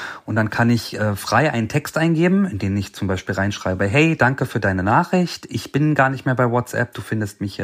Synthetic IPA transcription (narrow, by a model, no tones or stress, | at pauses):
ʊntd̥ankʰanɪçʔɛːfʁ̥aɪʔa̰ɪnəntʰɛkstʔaɪnɡeːbm̩ɪndeːmɪçt͡sʊmbaɪʃpiːlʁaɪnʃʁ̥a̰ɪbəɦɛɪd̥aŋkəfyːɐdaɪnənaːχɪçtʔɪçb̥ɪnɡaːɐnɪçtmeːɐbaɪwɔt͡sʔɛ̰p̚d̥uːfɪndəst̚mɪçɛ